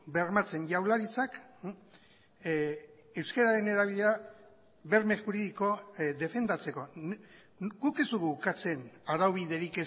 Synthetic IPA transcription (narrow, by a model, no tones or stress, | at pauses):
be̞ɾmat͡se̞nʝawlaɾit͡sak | ewskaɾaɾe̞ne̞ɾaβiʎea | βe̞ɾmexuɾiðiko̞ðe̞fe̞nd̪at͡se̞ko̞n | ɡuke̞zd̪uɣuːkat͡se̞naɾawβiðe̞ɾike